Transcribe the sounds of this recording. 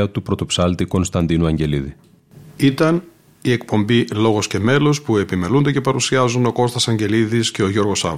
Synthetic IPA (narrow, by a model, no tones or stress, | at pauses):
ɐt̪upɾo̞t̪o̞psɐlt̪iko̞nst̪ɐnd̪inuɐɲɟe̞liði | it̪ɐn | ie̞kpo̞mbilo̞ɣo̞sce̞me̞lo̞spue̞pime̞lund̪ece̞pɐɾusiɐzuno̞ko̞st̪ɐsɐɲɟe̞liðisce̞o̞ʝo̞ɾɣo̞sɐ̰v